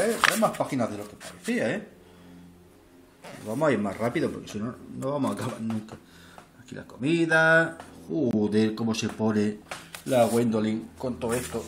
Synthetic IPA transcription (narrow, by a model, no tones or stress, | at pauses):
et̪ɾajmaspaxinaðe̞lo̞kepaɾeθiae | oβamosaiɾmasrapiðopoɾkesinonoβamosakaβa̰ɾnũŋka | akilʔa̰ko̞miðauðeko̞mo̞se̞po̞nelaɣwend̪oliŋko̞nt̪oest̪o